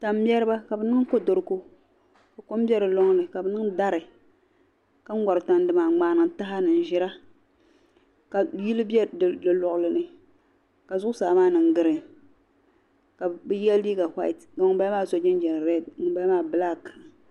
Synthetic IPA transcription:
ta˨m˦jɛ˦ɾɨ˦ba˦ka˨bɛ˨nɨ˦ŋ˦ko˦do˨ɾɨ˦ko˦ | ka˨ko˦m˦bʲɛ˦ɾɨ˨lo˦ŋ˦nɨ˨ka˨bɛ˨nɨ˦ŋda˦ɾɨ˨ | ka˦ŋ̩˦ɡʷa˨ɾɨ˨ta˨n˦dɨ˨maː˨ŋ͡maː˨˦nɨ˨ŋ˨ta˦ɦa˦nɨ˨n̩˨ʒɪ˦ɾa˦ | ka˨ji˦lɨ˦bɛ˦˨dɨ˨lɔ˨ʔʊ˨lɨ˨nɨ˨ | ka˨zʊ˦ʔʊ˦saː˨maː˦nɨ˨ŋ˦ɡɨ˦ɾɨ˨ | ka˨bɨ˦jɛ˦lliː˦ɡa˨ha̰˦i˨tɡa˨ŋ˨˦ba˦maː˦so˨d͡ʒɪ˦nd͡ʒɛ˨n˨ɾɛ˦˨dŋɨ˨ba˦maː˦˨bɨ˦la˦k

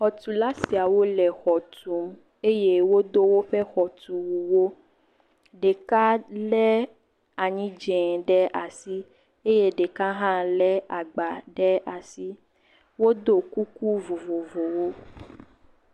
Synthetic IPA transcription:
xɔ˨t̪u˨la˦si˨a˨wo˦lɛ˨xɔ˨t̪u˨˦m | e˦je˦wo˦d̪o˦wo˦ɸɛ˦xɔ˨t̪u˨wu˨wo˦ | ɖe˨ka˦lɛ˦ | a˨ɲĩ˦d͡ʒɛ̃˨ɖɛ˦ʔa˨si˦ | e˦je˦ɖe˨ka˦ɦã˦lɛ˦a˨ɡ͡ba˨ɖɛ˦a˨si˦ | wo˦d̪o˦ku˦ku˦vo˨vo˨vo˨wo˦

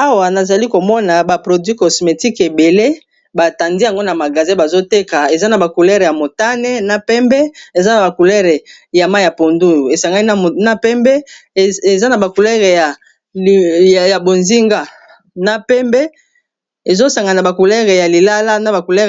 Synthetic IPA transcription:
a˦wa˨na˨za˨li˦ko˨mɔ˦na˨ba˨pʁo˨dwi˦kɔ˨sme˨ti˦ke˨be˨le˦ | ba˨ta˨ndi˦ja˨ŋɡo˦na˨ma˨ɡa˨zɛ̃˦ba˨zo˦te˦ka˨e˨za˦na˨ba˨ku˨lɛ˦ʁe˨ja˨mo˨ta˦nɛ˦na˨pɛ˦mbɛ˦e˨za˦na˨ba˨ku˨lɛ˦ʁe˨ | ja˨ma˦ja˨po˨ndu˦u˨e˨sa˨ŋɡa˦i˦˨na˦pɛ˦mbɛ˦˨e˨za˦na˨ba˨ku˨lɛ˦ʁe˨ja˨ | ja˨bo˨nzi˦ŋɡa˦ | na˦˨pɛ˦mbɛ˦ | e˨zo˦sa˨ŋɡa˨na˨ba˨ku˨lɛ˦ʁe˨ja˨li˨la˦la˦na˨ba˨ku˨lɛ˦

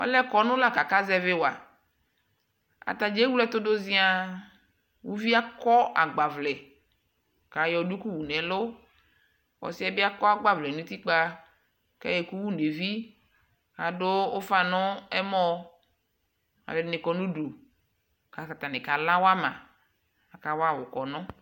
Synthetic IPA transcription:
ɔ̰˦lɛ˦kɔ˨nʊ̃˦la˦ka˨ka˦zɛ˦vɪ˦wa̰˨ | a̰˨t̪a˨d͡ʒe˦wu˦lɛ˦t̪ʊ˦do˦zi˦a˦ | wu˦vi˦a˦kɔ˦ʔa˨ɡ͡ba˨vlɛ˨ | ka˨jɔ˨du˦ku˦wu˨nɛ̃˨lʊ˦ | wɔ̰˨si˦ɛ˦bi˦a˦kɔ˦a˦ɡ͡ba˦vlɛ˨nũ˦t̪i˦k͡pa˦ | ka̰˦je˨ku˦wu˦ne˨vi˦ | ka˨ɖo˦o˦fa˦nʊ̃˦ɛ˦mɔ˦ | a̰˨le˨˦nɪ̃˨kɔ˨nũ˦ɖu˨ | ka˨ka˨t̪a˨nɪ̃˨ka˨la˦wa˦mã̰˨ | a˨ka˨wa˦˨wʊ˨kɔ˨nɔ̃˦

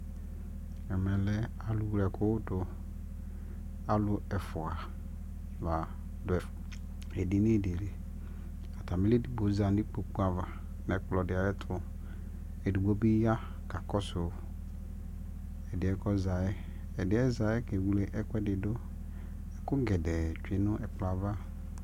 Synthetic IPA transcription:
ɛ˨mɛ̃˨lɛ˦ | a˨lʊ˦wu˦lɛ˨kʰʊ˦tʊ˨ | a˨˦lʊ˦ɛ˨fʊ˨a˨ | va˨ | dʊ˨ɛ˨ | ɛ˨dɪ˦nɪ̃˦˨de˨le˨ | a˨ta˨mɪ˦le˦di˦bo˨˦za˨n˦di˦k͡po˨k͡pu˦a˨va˨ | nɛ̃˨˦k͡plɔ˨dɪ˨a˨˦ɛ˦tʰʊ˨ | ɛ˨di˨ɡ͡bo˦bi˦ja˦ | ka˨kɔ˦sʊ˨ | ɛ˨dɪ˨ɛ˦kɔ˦za˨ɛ˦ | ɛ˨dɪ˨˦ɛ˦za˨ɛ˦kɛ˨wu˨le˨ʔɛ˦kʷɛ˦dɪ˨dʊ˦ | ɛ˨kʊ˦ɡɛ˨dɛ˨t͡ʃᶣi˦nʊ̃˦ʔɛ˨k͡pla˨va˦

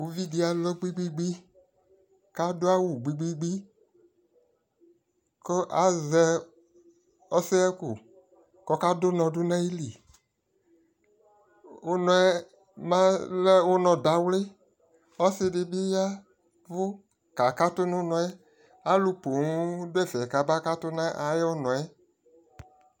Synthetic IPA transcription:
wu˨vi˦di˦a˨lɔ˦ɡ͡bi˦ɡ͡bi˦ɡ͡bi˦ | ka˦dʊ˦a˦wu˨ɡ͡bi˦ɡ͡bi˦ɡ͡bi˦ | ko˦ʔa˨zɛ˨ | ɔ˦sɪ˦ɛ˦kʊ˨ | kɔ˨ka˦dʊ˦nɔ̃˨dʊ˦nã˦ji˦li˨ | o˦nɔ̃˨ɛ˦ | mã˦lɛ˦wo˦nɔ̃˨da˨wlɪ˦ | ɔ˦sɪ˦dɪ˨bi˦ja˦ | vʊ˦ | ka˨ka˦tʊ˦nʊ̃˦nɔ̃˨ɛ˦ | a˨˦lu˨po˨ŋu˦dʊ˦ɛ˦vɛ˨ka˨ba˦ka˦tʊ˦nã˦ʔa˨je˦o˦nɔ̃˨ɛ˦

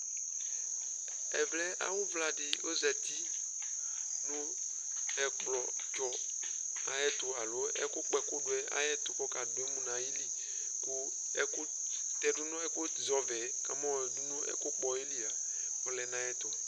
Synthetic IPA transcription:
ɛ˨vlɛ˦a̰˦wʊ˦vla˨dɪ˨o˦zɛ˨t̪i˦ | nʊ̃˦ | ɛ˨klɔ˨ | t͡ʃɔ˨ | a˨jɛ˦t̪ʊ˨a˨lo˦ɛ̰˦kʊ˦k͡pɛ˦kʊ˦ɖʊ˦ɛ˦a̰˦jɛ˦t̪ʊ˨kɔ˦ka˨dʊ˨e˦mũ˨nã˨ji˦li˦ | kʊ˦ | ɛ˦kʊ˦ | t̪ɛ˨dʊ˦nɔ̃˦ɛ˦kʊ˦ | zɔ˨vɛ˨˦ka˨mɔ˦˨du˦nʊ̃˦ɛ̰˦kʊ˦k͡pɔ˦e˦li˦a˨ | ɔ˦lɛ˨nã˦jɛ˦t̪ɔ˨

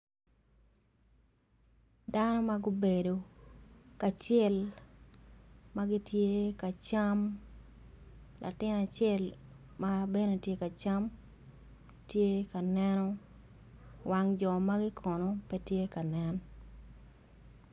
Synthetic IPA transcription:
da˦nɔ˦maɡʊ˦be˨do˨ | ka˨t͡ʃɛ˦l | ma˦ɡɪ˦tje˦ka˨t͡ʃa˦m | lʔa̰˨tɪ˦na˨t͡ʃɛ˦l | ma˦be˦no˨tje˦ka˨t͡ʃa˦m | tje˦ka˨nɛ˦nɔ | wa˦ŋd͡ʒɔ˨ma˦ɡɪ˦kʰɔ˨nɔ˦pɛ˦tje˦ka˨nɛ˦n

